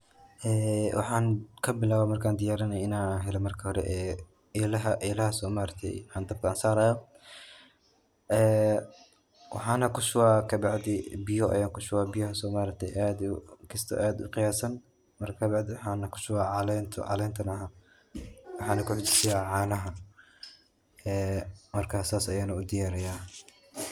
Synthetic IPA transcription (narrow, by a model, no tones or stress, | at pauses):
ʔɛːwʔɑ̰ħɑːŋkʰɐbɪlaːwamɐrkʰaːnd̪ɪjaːɾɐnɐjɪnaːɦɛlɛmɐrkʰɐhɔɾɛ̰ʔɛː | lɐɦɐʔɛlɐhɐsɔːmaːɾɐk̚t̪ʰɛ̰jaːnd̪ɐb̚kʰɐɐnsaːɾaːjɔ | ʔɛː | wɑ̰ħɑːnɐkʰʊʃʊwaːkʰɐbɑʕd̪ɪbɪjɔʔɐ̰jaːŋkʰʊʃʊwaːbɪjɐhɐsɔːmaːɾɐk̚t̪ʰɛjʔaːd̪kʰɪst̪ʰɔ̰ʔaːd̪ʊ̰qɪjaːsɐn | mɐrkʰɐbɑʕd̪ɪwħɑːnɐkʰʊ̥ʃʊwaːʕɑlɛnt̪ʰʕɑ̰lɛːnt̪ʰɐnɐɦa | wɑħɑːnɐkʰʊħʊt͡ʃɪ̥sɪjaːʕɑːnɐɦɐ | ɛːmɐrkʰaːsaːsɐjaːnɐʊd̪ɪjaːɾɐjaː